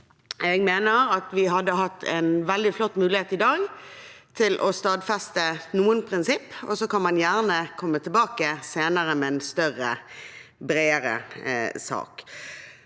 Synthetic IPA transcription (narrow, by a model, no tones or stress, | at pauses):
ɛɡmeːnəɾɑt̪ʋɪɦɑd̪ːəɦɑt̪ʰːɛ̰nʋɛld̪ɪflɔt̪ːmʉːlɪheːt̪ɪd̪ɑːɡt̪ʰɪlʔɔst̪ɑːd̪fɛst̪ənuːənpʰʁɪnsɪpːɔ̰sɔkʰɑnmɑnjæːʁnəkʰɔmːət̪ʰɪlbɑːkəseːnəʁəmɛɛnst̪œʁə | bɾeːəɾə̰sɑ̰ːk